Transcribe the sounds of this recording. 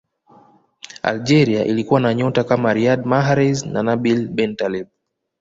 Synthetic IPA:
a̰ld͡ʒɛɾiaʔilikuwanaɲɔtakamaɾiadmaɦaɾɛznanabilbɛntalɛb̚

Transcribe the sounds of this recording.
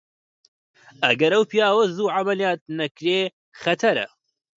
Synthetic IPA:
ɐɡɐɾɐwpʰijaːwɐzuːʕamɐlijaːt̪̚nɐkɾeː | xɐt̪ʰɐɾɐ̰

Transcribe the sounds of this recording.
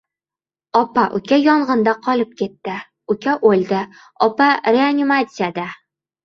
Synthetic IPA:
ɒpaʔʊ̰kʲajɒɴʁɤnd̪aqʰɒlɪp̚kʲʰe̞t̪ːɪ | ʊkʲaʔolʲˠd̪ɪ | ɒpaɾʲeanʲimat̪sɪjad̪a

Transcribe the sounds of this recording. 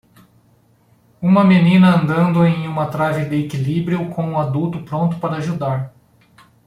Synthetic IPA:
ũmɐmenĩnɐɐ̃nd̪ɐ̃nd̪ʊẽj̃ũmɐt̪ɾavɪd̪ɪekilibɾiʊkõw̃ũad̪uwt̪ʊpɾõnt̪ʊ̥paɾɐːʒud̪aɾ

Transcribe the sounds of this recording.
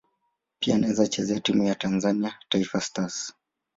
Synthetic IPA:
pianaɛzat͡ʃɛzɛatimujatanzaniataifastas

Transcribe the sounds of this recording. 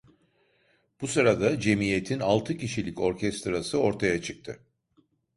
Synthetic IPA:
b̥usɯɾad̪ad͡ʒe̞mije̞t̪ʰinalˠt̪ʰɯciʃilʲico̞ɾcʰɛst̪ɾasɯo̞ɾt̪ʰajat͡ʃʰɯk̚t̪ʰɯ

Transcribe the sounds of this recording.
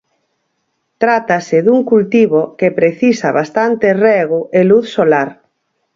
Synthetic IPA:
t̪ɾat̪asɪðuŋkult̪iβokepɾeθisaβast̪ant̪erɛɣʊʔeluθsolaɾ

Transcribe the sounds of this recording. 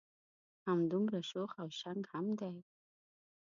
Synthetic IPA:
hamd̪ʊmɾaʂoxawʃaŋɡhamd̪aj

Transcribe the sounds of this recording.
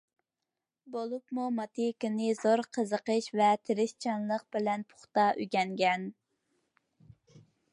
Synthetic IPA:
bolˠupmumɑt̪ʰikʲinɨzoɾqʰəzəqəʃvɛt̪ʰɪɾɪʃt͡ʃʰɑnlˠəq̚b̥ɪlɛnpʰʊ̥χt̪ɑʔyɡʲɛŋɡʲɛn

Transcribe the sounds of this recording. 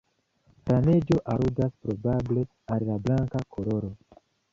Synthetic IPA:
fɾane̞d͡ʒo̞ʔaɾudaspɾo̞bable̞ | allablaŋkakʰolo̞ɾo̞

